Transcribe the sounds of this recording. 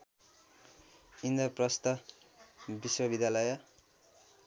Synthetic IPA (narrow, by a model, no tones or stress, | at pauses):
ind̪ʌprʌst̪ʌ | biswʌbid̪jalʌjʌ